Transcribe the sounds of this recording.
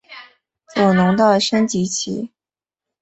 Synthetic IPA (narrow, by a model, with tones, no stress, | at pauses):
t͡sɔ˨˩nʊ˧˥ŋt̪ɑ˥˩ʊʂə˥nt͡ɕi˧˥t͡ɕʰḭ˧˥